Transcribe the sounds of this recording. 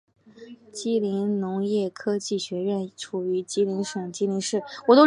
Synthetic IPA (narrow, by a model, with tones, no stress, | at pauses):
t͡ɕi˥li˧˥nnʊ˧˥ŋjɛ˥˩kʰɤ˥t͡ɕi˥˩ɕɥɛ˧˥ɻə˥˩nʈ͡ʂʰu˨˩y˧˥t͡ɕi˥li˧˥nʂɤ˨˩ŋt͡ɕi˥li˧˥nʂɻ̩˥˩wɔ˨˩t̪o˥